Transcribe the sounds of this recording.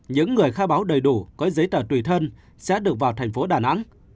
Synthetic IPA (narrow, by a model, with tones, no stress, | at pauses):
ɲɨ̰˧˥ŋːɨ˨˩əjxaː˧ɓaː˨˦wɗə˨˩jɗu˧˩kɔ˨˦zə˨˦jt̪əː˧˩t̪wi˧˩t̪ʰə˧n | sɛ̰˧˥ɗɨ˨˩ək̚vaː˨˩wt̪ʰɛ˨˩jŋ̟fo˨˦ɗaː˧˩na̰˧˥ŋ